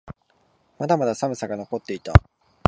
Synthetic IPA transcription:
mad̪amad̪asamɯ̟saɡano̞ko̞t̪ːe̞it̪a̰

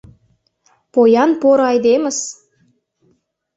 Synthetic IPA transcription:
pojɑnpoɾɑjd̪emə̆s

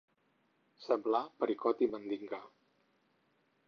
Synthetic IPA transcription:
sɛmblapəɾikɔt̪imənd̪iŋɡa

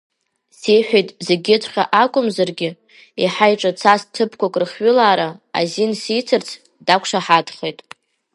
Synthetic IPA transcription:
sejħᶣejtʼzeɡʲɪtʷʰʼχʲa̰ʔakʷʼʊmzarɡʲɪ | iħajʈ͡ʂʼat͡sʰastʰɨpʰkʷʰakʼrɨχɥʏlaːɾaa̰zinsijt͡sʰɨrt͡sʰ | d̥akʷʰʂaħadχejtʼ

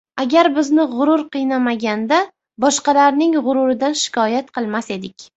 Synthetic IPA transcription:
aɡʲaɾbɪznɪʁʊɾʊɾqɨjnamaɡʲand̪a | bɒʃqɑlaɾnɪŋʁʊɾʊɾɪd̪anʃɪ̥kʰɒjat̪̚qʰɨlˠmase̞d̪ɪkʲ

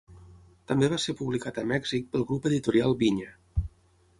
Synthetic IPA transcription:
t̪əmbeβaseɾpuβlikat̪əmɛɡz̥ik̚pəlˠɣɾupəðit̪uɾialˠβiɲə

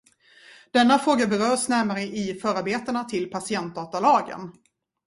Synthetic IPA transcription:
d̪̥ɛnːafɾoːɡabɛɾœːɾsnæɾmaɾəʔɪfœːɾaɾbeːt̪əɳat̪ʰɪlpʰasɪɛnt̪̚d̪ɑːt̪alɑːɡə̰n

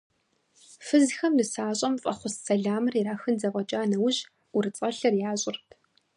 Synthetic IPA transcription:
fɨzxɐmnɨsaːɕʼɐmfʼɐχʷʊsːɐɮaːmɨriɾaːxɨnzɐʁʷʼɔt͡ʃʼaːnɐwʊʑ | ʊrɨt͡sʼɐɬɐrjaːɕʼɪrtʰ

